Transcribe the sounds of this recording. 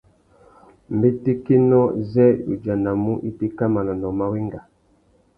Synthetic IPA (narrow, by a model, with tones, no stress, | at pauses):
m˨be˦ti˦ki˦nɔ˦zɛ˦jṵ˨d͡ʒa˨na˨mu˦ʔi˦ti˦ka˦ma˨lɔ˨nɔ˨ma˨wi˦ŋɡa˨